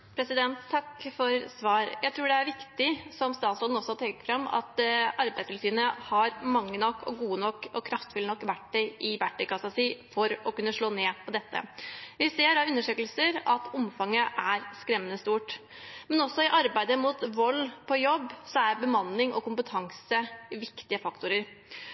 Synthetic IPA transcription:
pʰɾɛsɪd̪ɛnt̪ʰːɑkfɔɾsʋɑːɾjæɪt̪ʰɾuːɖɛæɾʋɪkt̪ɪsɔmst̪ɑːt̪sɾɔd̪n̩ɔsːɔt̪ʰɛkə̥fɾɑmːɑ̰t̪ʔɑɾbæɪdsʋɪlsyːʋənəhɑɾmɑŋːənɔkːɔ̰ɡuːənɔkːɔkʰɾɑft̪fʉlənɔkːʋæʈɖɛɪʔɪʋæʈːɛkɑsɑsiːfɔɾɔkʉnːəʂɭoːneːpʰɔd̪ɛt̪ːə̰ʋɪseːɾɑʉnːəʂøːkəlsəɾɑt̪ʊmfɑŋːəʔæɾskɾɛmːənəst̪uːʈ | mɛnɔsːɔɪʔɑɾbæɪd̪əmut̪ʋɔlːpʰɔjɔbːsɔæɾbəmɑnːɪŋʔɔkʊmpət̪ʰɑŋsəʋɪkt̪ɪəfɑkt̪ʊɾəɾ

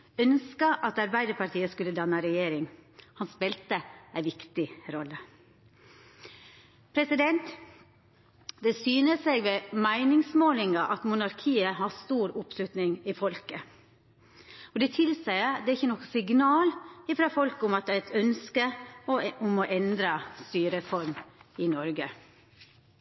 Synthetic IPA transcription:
œnskəʔɑt̪ɑɾbæɪd̪əɾpʰɑɾʈ̪ʰiːəskʉlːəd̪ɑnːəɾɛjeːɾɪŋhɑnspɛlt̪əæɪʋɪkt̪ɪɾɔlːə | pʰɾɛsɪd̪ɛnt̪ | d̪ɛsyːnəseɡʋɛmæɪnɪŋsmoːlɪŋɑʔɑt̪mʊnɑɾkʰiːəɦɑst̪uːɾʊpslʉt̪nɪŋɪfɔlkə | ɔd̪ɛt̪ʰɪlsæɪəd̪ɛæɾɪçːənɔkːsɪɡnɑːlɪfɾɑːfɔlkəʊmɑt̪̚d̪ɛæɛt̪œnskə | ʊmɔʔɛnd̪ɾɑst̪yːɾəfɔɾmɪnɔɾɡə

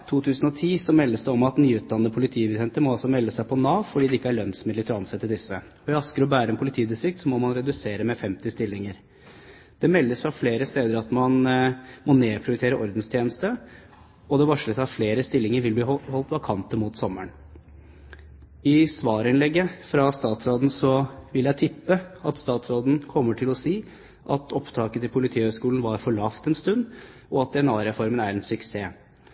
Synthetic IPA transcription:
t̪ʰuːt̪ʰʉːsən̩ɔt̪ʰiːsɔmɛlːəsd̪ɛɔmɑt̪nyːʉːt̪̚d̪ɑnːəpʰʊlɪt̪ʰiːbəɛnt̪əmɔɑlsɔmɛlːəsæɪpʰɔnɑːʋfɔɖiːd̪ɛɪkːəæɭœnsmɪd̪ɪt̪ʰəɾɔɑnsɛt̪ːəd̪ɪsːəɔʋɛɑskəɾɔbæːɾəɛnpʊlɪt̪ʰiːd̪ɪst̪ɾɪk̚t̪sɔmɔmɑnɾɛd̪ʉseːɾəmɛfɛmt̪ɪst̪ɪlːɪŋəɾ | d̪̥ɛmɛlːəsfɾɑfleːɾəst̪eːd̪əɾɑt̪mɑnmɔneːpʰɾɪʊɾɪt̪eːɾəʔɔɾd̪n̩st̪ʰjeːnəst̪ə | ɔd̪ɛʋɑʂɭəsɑʋfleːɾəst̪ɪlːɪŋəɾʋɪlb̪lihɔlt̪ʋɑkʰɑnt̪əmʊt̪sɔmːəɳ | ɪsʋɑːɾɪnlɛɡːəfɾɑst̪ɑːt̪sɾoːd̪n̩sɔʋɪljæɪt̪ʰɪpːəɑt̪st̪ɑːt̪sɾoːd̪n̩kʰɔmːəʈʰɪlɔsiː | ʔɑt̪ʰɔpt̪ʰɑːkət̪ʰɪlpʰʊlɪt̪ʰiːhœːskuːln̩ʋɑɾfɔɭɑːft̪ɛnst̪ʉnd̪ɔɑt̪̚d̪ɛɛnɑːɾɛfɔɾmənæɾɛnsʏkseː

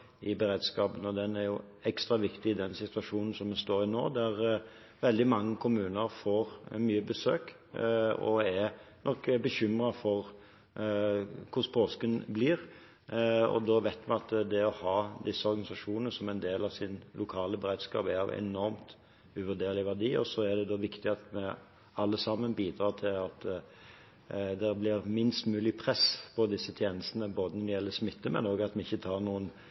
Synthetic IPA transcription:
ɪbəɾeːd̪skɑːpənɔd̪ɛnæɾjʊ | ɛkst̪ɾɑʋɪkt̪ɪɪd̪ɛnsɪt̪ʉɑʂuːnn̩sɔmːɛst̪oːɾɪno̰ːd̪æɾ | ʋɛld̪ɪmɑŋːəkʰʊmʉːnəɾfoːɾmyːəbəsø̰ːk | ɔ̰ænʔɔkːbəçʏmɾɑfɔɾ | kʰʊspʰoːskənbliːɾ | ɔ̰d̪ɔʋæɪt̪mɪɑt̪d̪ɛɔhɑːd̪ɪsːəɔɾɡɑnɪsɑʂuːnənəsɔmɛɪnd̪eːlɑʋsɪnlʊkʰɑːləbəɾeːd̪skɑ̰ːpæɾɑʋɛ̰nɔɾmt̪ | ʉʋʉd̪eːɾlɪʋæd̪iːɔ̰sɔæd̪ɛd̪oːʋɪkt̪ɪɑt̪mɛ | ɑlːəsɑmːənbiːd̪ɾʁɑːt̪ʰɪlɑt̪ | d̪ɛblɪɾmɪnst̪mʉːlɪpʰɾɛspʰɔd̪ɪsːət̪ʰjeːnəst̪ənəboːd̪ənɔd̪ɛjɛlːəsmɪt̪ːəmɛ̰noːɡɑt̪mɛɪçːət̪ʰɑːʁnuːən

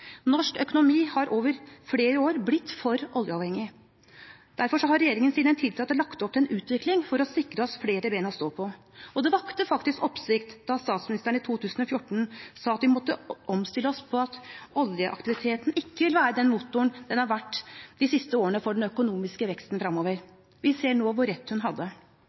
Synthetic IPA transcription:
nɔʂkœkʊnʊmiːhɑɾʔoːʋəɾfleːɾəoːɾblɪt̪ːfɔɾʔɔljəɑːʋhɛŋɪ | d̪̥æɾfɔʂɔɦɑɾɛjeːɾɪŋənsiːd̪ɛnt̪ʰɪlt̪ʰɑːt̪ːəlɑkt̪ɔpːɛnʉːt̪ʋɪklɪŋfɔɾɔsɪkɾəɔsfleːɾəbeɪnɔst̪oːpʰɔ | ɔd̪ɛʋɑkt̪əfɑkt̪ɪskɔpsɪkt̪d̪̥ɑst̪ɑːt̪smɪnɪst̪æɳ̩ɪt̪ʰuːt̪ʰʉːsən̩ɔfjʊʈːn̩sɑːɑt̪ʋɪmɔt̪ːəʔɔmst̪ɪlːəɔspʰɔɑt̪ʔɔljəʔɑ̰kt̪ɪʋɪt̪ʰeːt̪n̩ɪkːəʋɪlʋæːɾəd̪ɛnmuːt̪ːʊənd̪ɛnhɑɾʋæʈːd̪̥ɪsɪst̪əoːəɳəfɔɖɛnœkʊnuːmɪskəʋɛkst̪nfɾɑmːoːʋəɾ | ʋɪseːɳoːʋʊɾɛt̪ːhʉnɦɑd̪ːə

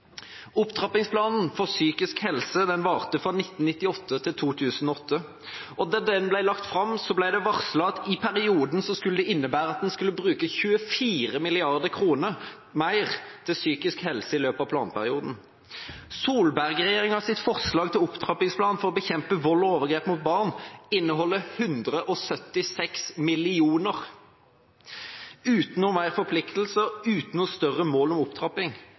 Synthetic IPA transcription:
ʊpt̪ʰʁɑpɪŋspʰlɑːnn̩fɔʁsyːkɪskhɛlsəd̪ɛnʋɑːʁt̪əfʁɑnɪt̪ːn̩nɪt̪ːɪɔt̪ːət̪ʰɪlt̪ʰuːt̪ʰʉːsn̩ɔɔt̪ʰːə | ɔd̪ɑd̪ɛnblæɪlɑkt̪fɾɑmsɔblæɪd̪ɛʋɑʁslɑt̪ɪpʰæɾɪuːd̪n̩sɔskʉləd̪ɛɪnːəbæːɾəɑt̪̚d̪ɛnskʉlːəbɾʉːkəçʉːəfiːʁəmɪlɪɑʁd̪əʁkʰʁuːnəʁ | mæɪʁt̪ʰɪlsyːkɪskhɛlsəɪløːpɑːʋpʰlɑ̰ːnpʰæʁɪuːd̪n̩ | suːlbæʁɡʁɛjeːʁɪŋɑsɪt̪fɔʁslɑːɡt̪ɪlʊpt̪ʰʁɑpɪŋspʰlɑːnfɔʁɔbəçɛmpəʋɔlːɔoːʋəʁɡeːpmuːt̪̚bɑʁnɪnːəɦɔlːəhʉnd̪ʁəʔɔsœt̪ːɪsɛksmɪlɪuːnəʁ | ʉːt̪noːmæɪʁfɔʁpʰlɪkt̪l̩səʉːt̪n̩ɔst̪œʁəmoːlɔmʊpt̪ʰʁɑpɪŋ

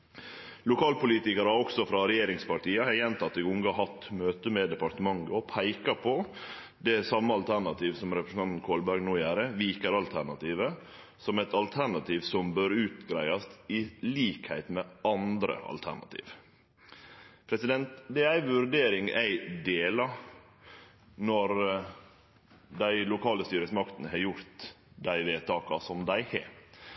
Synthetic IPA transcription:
lʊkʰɑːlpʊliːt̪ɪkɑɾəɑɔksɔfɾɑɾɛjeːɾɪŋspɑɾʈiːɑɛjɛnt̪ʰɑt̪ːɪʊŋɡɑɦɑt̪møːt̪əmɛd̪ɛpɑɾt̪əmɑŋɡəɔpʰæɪkɑpʰɔ | d̪ɛsɑmːəɑlt̪ʰæɳɑt̪ʰiːʋsɔmɾɛpɾɛsn̩ɑnt̪n̩kʰoːlbæɾɡnuːjæːɾəʋiːkəɾɑlt̪ʰæɳɑt̪iːʋə | sɔmɛt̪ɑlt̪ʰæɳɑt̪ʰiːʋsɔmbøːɾʉːt̪ɡɾæɪɑst̪ɪliːkhæ̰ɪt̪mɛɑnd̪ɾə̰ɑ̰lt̪ʰæ̰ɳɑ̰t̪ʰḭːʋ | pʰɾɛsɪd̪ɛnt̪d̪ɛæɪʋʉɾɖeːɾɪŋæ̰ɪd̪eːlɑ | nɔɾ | d̪æɪlʊkʰɑːləst̪yːɾəsmɑkt̪ənəɦɑɾjʊɾt̪ | d̪æɪʋeːt̪ʰɑːkɑsɔmd̪æɪhɛ̰

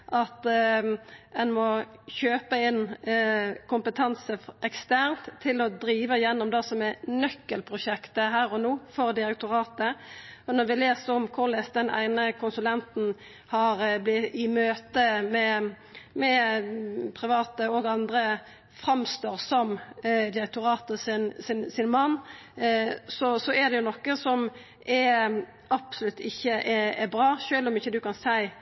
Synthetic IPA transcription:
ʔɑt̪ | ɛnmɔçøːpəɪnː | kʰʊmpət̪ʰɑnsəɛkst̪æɾʁnt̪ʰːɪlɔd̪ɾiːʋəɪjɛnːɔmd̪ɑsɔmɛnœkːəlpʰʁʊʃɛkt̪əɦæːɾɔnoːfɔʁd̪ɪɾɛk̚t̪ʊʁɑːt̪əɔnɔʁʋɪleːsəɔmkʰʊʁlɛːsd̪ɛnʔæ̰ɪnəkʰʊnsʉlɛnt̪n̩ | hɑɾblɪɪmøːt̪əmɛ | mɛ | pʰɾɪʋɑːt̪əɔɡɑnd̪ɾə | fʁɑmst̪oːʁsɔmd̪ɪɾɛk̚t̪ʊʁɑːt̪əsɪnsɪnsɪnmɑnː | sɔsɔɛd̪ɛjʊnɔkːəsɔm | ʔɛ | ɑpsʊlʉt̪ʰːɪçːəʔɛɛbɾɑːʃøːlɔmɪçːəd̪ʉkɑnsæɪ

